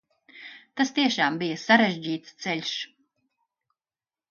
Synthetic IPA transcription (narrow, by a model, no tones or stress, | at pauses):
t̪ast̪iɛʃaːmbijɐsaɾeʒʲd͡ʑiːt̪st̪sɛlʲʃ